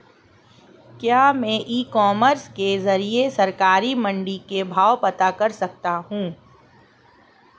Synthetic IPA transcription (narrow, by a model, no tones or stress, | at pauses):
kjaːmɛ̃ːʔiːkɔːməɾskezɐɾiesɐɾkaːɾimɐ̃ɳɖikebʱaːwpɐt̪akɐɾsɐk̚t̪aɦũː